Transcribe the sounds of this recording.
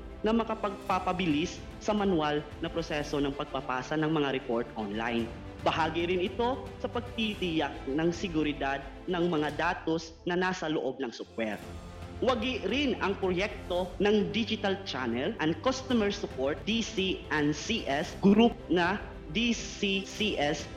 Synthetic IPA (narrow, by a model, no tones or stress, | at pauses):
nɐmɐkɐpɐɡ̚papɐbɪlɪsː | ɐmɐnwalnɐpɾosɛsonɐŋpɐɡ̚pɐpaːsɐnɐŋmɐŋaɾɛpo̞ɹt̪ʔonla̰jn | bɐhaːɡɪɾɪnɪt̪o̞sɐpɐɡ̚t̪it̪ɪjak̚nɐŋsɪɡʊɾɪd̪ad̪̚ | nɐŋmɐŋad̪aːt̪o̞s | nɐnaːsɐloʔob̚nɐŋsʊk̚wɛɾt̪ | wɐɡɪɾɪnɐŋpɾojɛk̚t̪o̞nɐŋd̪id͡ʒɪt̪alt͡ʃanɛlʔɐn̚kost̪omɛɹsʊpoɹt̪̚d̪isiʔɐnsiʔɛsɡɾup̚nɐ | d̪isisiʔɛs